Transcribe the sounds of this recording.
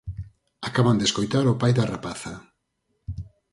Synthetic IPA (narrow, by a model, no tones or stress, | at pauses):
akaβand̪eskojt̪aɾʊpajðarapaθa